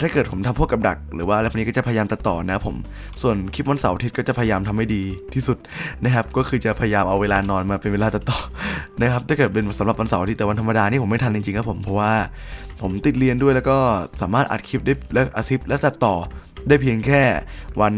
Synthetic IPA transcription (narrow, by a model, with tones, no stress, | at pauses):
t̪ʰaː˥˩kɤ˨˩t̪̚pʰo˩˦mt̪ʰa˧mʰu˥˩əka˧mda̰˨˩k̚ɾɯː˩˦waː˥˩˧a˧jkʰːni˦kɔː˥˩t͡ɕa˨˩pʰa˧ja˧aː˧mt̪a˨˩t̪ːɔː˨˩nɛ˦˥pʰo̰˩˦m | su˨˩ənkʰi˦˥wa˧nsa˨˦wa˧i˦˥t̪̚kɔ˥˩t͡ɕa˨˩pʰːja˧jaː˧mt̪ʰa˧mːa˥˩jdiː˧t̪ʰiː˥˩su˨˩t̪̚na˦˥kʰa˦˥p̚kɔː˥˩kʰɯː˧t͡ɕa˨˩pʰa˧ja˧jaː˧mʔa˧wːeː˧laː˧nɔː˧nmaː˧pe˧nweː˧laː˧t̪a˨˩t̪ːɔː˨˩na˦˥kʰa˦˥p̚t̪aː˥˩kɤː˨˩t̪̚pe˧nsa˨˦la˨˩p̚wa˧nsa˨˦ʔa˧iː˦˥˨wa˧nt̪ʰa˧ma˧daː˧niː˥˩po˩˦ma˥˩t̪ʰa˧t͡ɕi˧ŋt͡ɕi˧ŋkʰa˦˥pʰo˩˦mpʰɔ˦˥waː˥˩ | pʰo˩˦mt̪i˨˩t̪̚li˧əndu˥˩əjlɛː˦˥kɔː˥˩saː˩˦maː˥˩t̪ʔa̰˨˩t̪̚kʰi˦˥p̚daː˥˩jlɛ˦˥ʔaː˧si˦˥p̚lɛ˦˥wt̪a˨˩t̪ːɔː˨˩ | daː˥˩jpʰi˧əŋkʰɛː˥˩wa˧n